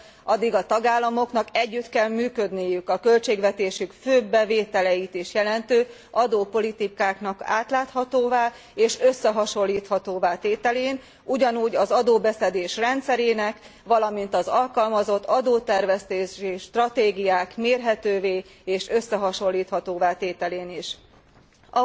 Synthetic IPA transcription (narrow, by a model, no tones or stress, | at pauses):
ɒd̪ːiɡɒt̪ɒɡaːlːɒmo̞knɒkɛɟːyt̪kɛlmyːkø̞d̪nijykɒkø̞lt͡ʃeːɡʋɛt̪eːʃykføːbːɛveːt̪ɛlɛjit̪iʃjɛlɛnt̪øː | ʔɒd̪oːpo̞lit̪ikaːknɒka̰ːt̪laːt̪hɒt̪oːvaː | eːʃøsːɛɦɒʃo̞lːiːt̪hɒt̪oːvaːt̪eːt̪ɛleːn | uɟɒnuːɟɒzɒd̪oːbɛsɛd̪eːʃrɛnt̪sɛɾeːnɛkʋɒlɒmint̪ɒzɒlkɒlmɒzo̞t̪ːɒd̪oːt̪ɛrvɛst̪eːʃiʃt̪rɒt̪eːɡijaːkmeːrɦɛt̪øːveː | eːʃø̞sːɛɦɒʃo̞lːiːt̪hɒt̪oːvaːt̪eːt̪ɛleːniʃ | ɒ